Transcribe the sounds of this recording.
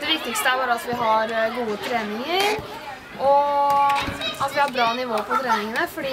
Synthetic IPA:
d̪ɛʋɪk̚t̪ɪkst̪əæɾbɑːɾəɑt̪ʋɪɦɑɾɡuːət̪ʰɾeːnɪŋəɾ | ʔɔ | ɑt̪ʋɪhɑɾbɾɑːnɪʋoːpʰɔt̪ʰɾeːnɪŋənəfɔɖiː

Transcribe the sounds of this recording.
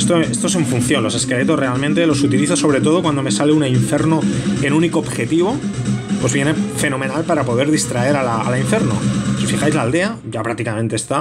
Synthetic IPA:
st̪oest̪ose̞ɱfun̟θjo̞nlo̞se̞ske̞le̞t̪o̞sre̞almẽnt̪e̞lo̞sut̪iliθaso̞β̞ɾe̞t̪o̞ð̞o̞kwand̪ome̞saleunaiɱfe̞ɾnoenuniko̞ːbxe̞t̪iβ̞o̞pwo̞zβje̞ne̞fe̞nõ̞menalpaɾapo̞ðe̞ɾðist̪ɾae̞ɾalaːlaiɱfe̞ɾno̰sifixajzlaːld̪e̞aɟ͡ʝapɾak̚t̪ikamẽ̞nt̪eːst̪a

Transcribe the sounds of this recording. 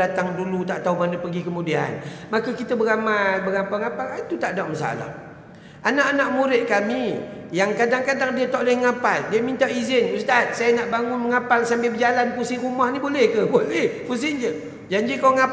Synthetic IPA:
at̪aŋdulut̪aʔt̪aumanəpəɡikəmudia̰nmakəkit̪əbəɾamajbəɡapalŋapalat̪ut̪aʔdaʔməsa̰la̰h | ʔanaʔanaʔmuɾɪt̪̚kamijaŋkadaŋkadaŋdiət̪oʔləhŋapaldiəmint̪aʔizɪnust̪at̪̚sajənaʔbaŋʊnməŋapalsampebəd͡ʒalanpusɪɾumahnibolɛhkəbolɛhpus̬ɪnd͡ʒə | d͡ʒaɲd͡ʒikoŋa

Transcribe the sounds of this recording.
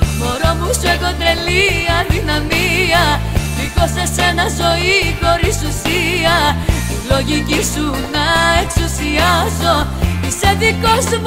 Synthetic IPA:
moɾomusueɣo̞d̪ɾeliɐðinɐmiɐ | likosese̞nɐzo̞ixo̞ɾisusiɐilo̞ʝicisunɐeksusiɐzo̞iseðikos

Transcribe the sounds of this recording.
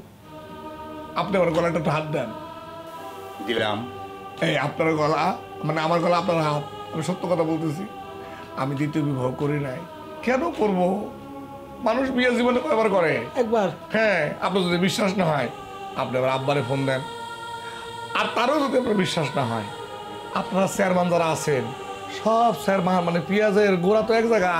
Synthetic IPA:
apniabaɾɡɔlaɛʈ̬ːaʈːɦat̪̚d̪ɛn | d̪illa̰m | ejapnaɾɡɔla | maneamaɾɡɔlaapnaɾɦat̪̚ | amiʃot̪ːokɔt̪ʰabolt̪es̬ʰi | amid̪it̪iobibʱabkoɾinaj | kɛnokoɾbo | manuʃ̬biazibonekɔjbaɾkɔɾeɛk̚baɾ | hɛ̃a̰pnaɾzod̪ibiʃːaʃnaɦɔe | a̰pniabaɾabːaɾefond̪ɛn | aɾt̪aɾozod̪iap̚naɾbiʃːaʃnaɦɔ̰e | apnaɾasɛɾmand͡ʑaɾaat͡ɕʰen | ʃɔbsɛɾmamanepiazeeɾɡoɾat̪oɛkd͡zaɡa

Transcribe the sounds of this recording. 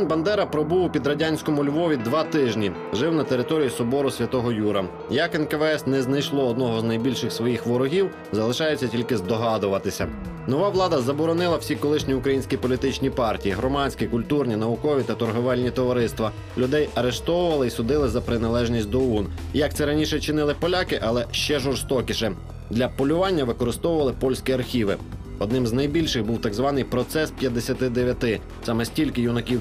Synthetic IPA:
nbɐnd̪ɛɾɐpɾɔbuwpʲid̪ɾɐdʲanʲsʲkɔmʊlʲʋɔʋʲid̪ʋɑt̪ɪʒnʲi | ʒɪwnɐt̪eɾɪt̪ɔɾʲijisɔbɔɾʊsʲʋʲɐt̪ɔɦɔjuɾɐ | jɐkɛnkɛʋɛɛsnɛznɐjʃlˠɔɔd̪nɔɦɔznɐjbʲilʲʃɪxsʋɔjixʋɔɾɔɦʲiw | zɐlˠɪʃɑjʊt͡sʲːɐtʲilʲkɪzd̪ɔɦɑd̪ʊʋɐt̪ɪsʲɐ | nɔʋɑʋlˠɑd̪ɐzɐbɔɾɔnɪlˠɐwsʲikɔlˠɪʃnʲiʊkɾɐjinʲsʲkʲipɔlʲit̪ɪt͡ʃnʲipɑrtʲijiɦɾɔmɑnʲt͡sʲkʲikʊlʲt̪urnʲinɐʋʊkɔʋʲit̪ɐt̪ɔrɦɔʋɛlʲnʲit̪ɔʋɐɾɪst̪ʋɐ | lʲʊd̪ɛjɐɾeʃt̪ɔwʊʋɐlˠɪisʊd̪ɪlˠɪzɐpɾɪnɐlˠɛʒnʲisʲt̚ʲd̪ɔun | jɐk̚t̪sɛɾɐnʲiʃɛt͡ʃɪnɪlˠɪpɔlʲakɪʔɐlˠɛʃt͡ʃɛʒɔrst̪ɔkʲɪʃɛ | d̪lʲɐpɔlʲʊʋɑnʲːɐʋɪkɔɾɪst̪ɔwʊʋɐlˠɪpɔlʲsʲkʲiɐrxʲiʋɪ̰ | ɔd̪nɪmznɐjbʲilʲʃɪxbuwt̪ɑɡzʋɑnɪjpɾɔt̪sɛspʲjɐd̪esʲɐt̪ɪd̪eʋʲjɐt̪ɪ | sɑmɛsʲtʲilʲkɪjʊnɔkʲiw

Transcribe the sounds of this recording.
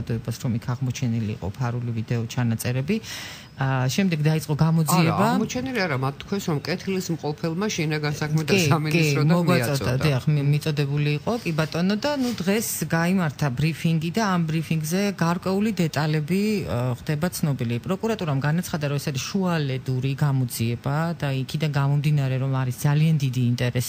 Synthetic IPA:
d̪ɔɛbasɾɔmikʰaʁmɔt͡ʃʰɛnilḭːqʼɔ̰pʰaɾulivid̪ɛɔt͡ʃʰanat̪sʼɛɾɛbi | ʃɛmd̪ɛɡd̪ait̪sʼqʼɔɡamɔd̪ziɛbamɔt͡ʃʰɛniliaɾamat̪̚t̪ʰːkʰwɛnsɾɔmkʼɛt̪ʰilismqʼɔpʰɛlˠmaʃinaɡansakʰmɛt̪ʰaisaminkʼiɔmɔɡad̪iaχmit̪sʼɔd̪ɛbuliːqʼɔkʼibat̪ʼɔnɔd̪anud̪ʁɛsɡaimaɾt̪ʰabɾipʰiŋɡid̪aːmbɾipʰiŋɡzɛɡaɾkʼwɛulid̪ɛt̪ʼalɛbiχd̪ɛbat̪sʰnɔbilipʼɾɔkʼuɾat̪ʼuɾamɡanat̪sʰχad̪aɾɔɛsaɾisʃualɛd̪uɾiɡamɔd̪ziɛbad̪aikʰid̪anɡamɔmd̪inaɾɛɾɔmaɾisd̪zaliand̪id̪iːnt̪ʼɛɾɛs

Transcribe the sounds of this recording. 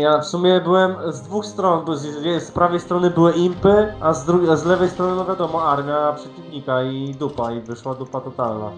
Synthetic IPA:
jafsumʲjɛbɘwɛmzd̪vuxst̪ɾɔnbzɛspɾavɛjst̪ɾɔnɘbɘwɘimpɘazd̪ɾuɡʲzlɛvɛjst̪ɾɔnɘnɔvʲjad̪ɔmɔaɾmʲjapʂɛt͡ɕivɲikaid̪upaivɘʂwad̪upat̪ɔt̪alna̰

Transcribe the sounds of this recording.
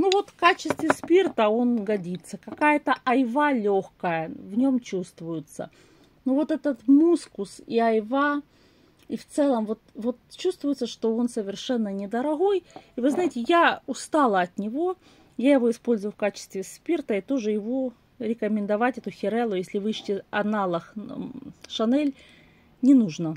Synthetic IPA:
nuvo̞t̪fkat͡ɕɪst̪vʲɪspʲirt̪əo̞nɡɐdʲit̪sːəkɐkajət̪əʔɐjvalʲoxkəjəvnʲo̞mt͡ɕust̪vʊjʊt̪sə̰ | nuvo̞t̪ɛt̪ət̪muskʊsiɐjva | ift̪sɛlˠəmvo̞t̪vo̞t̪t͡ɕust̪vʊjʊt̪səʂt̪o̞o̞nsəvʲɪrʂɛnːənʲɪd̪əɾɐɣo̞jivɨznajɪtʲɪjaʊst̪ɑlˠəɐt̪nʲɪvo̞ | jajɪvo̞ɪspo̞lʲzʊvʊfkat͡ɕɪ̥st̪vʲɪspʲirt̪əit̪o̞ʐɨjɪvo̞ | ɾʲɪkəmʲɪnd̪ɐvatʲɛt̪ʊxʲɪɾɛlˠʊjesʲlʲɪvɨɕtʲɪɐnalˠəx | ʂɐnɛlʲ | nʲɪnuʐnə

